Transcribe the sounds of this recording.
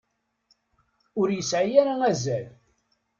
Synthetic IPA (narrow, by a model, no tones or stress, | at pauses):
ʊɾjəsʕijæɾaæzæl